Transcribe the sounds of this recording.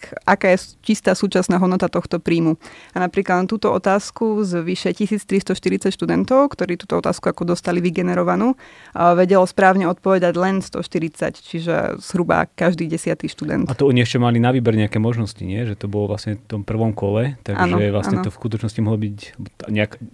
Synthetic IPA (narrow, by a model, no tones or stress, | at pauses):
ʔakaːjɛt͡ʃist̪aːsuːt͡ʃasnaːɦɔd̪nɔt̪at̪ɔxt̪ɔpɾiːmuanapɾiːklad̪t̪uːt̪ɔɔt̪aːskuzʋiʃɛcisiːt͡st̪ɾist̪ɔʃt̪iɾit͡sacʃt̪ud̪ɛnt̪ɔʊkt̪ɔɾiːt̪uːt̪ɔɔt̪a̰ːskuakɔd̪ɔst̪aliʋiɡɛnɛɾɔʋanuːʋɛɟɛlɔspɾaːʊɲɛɔt̪̚pɔʋɛd̪aɟlɛnst̪ɔ̰ʃt̪iɾit͡sa̰ct͡ʃiʒɛ̰z̥ɦɾuba̰kaʒd̪iːɟɛsɪat̪iʃt̪ud̪ɛ̰nt̪at̪ɔɔɲiɛʃcɛmalinaʋiːbɛɾɲɛakɛːmɔʒnɔscḭɲɪɛʒɛt̪ɔbɔlɔʋlasɲɛft̪ɔmpr̩ʋɔmkɔlɛt̪aɡʔanʒɔɛʋlasɲɛnt̪ɔfskut̪̬ɔt͡ʃnɔscimɔɦlɔbicbɔaɲɛak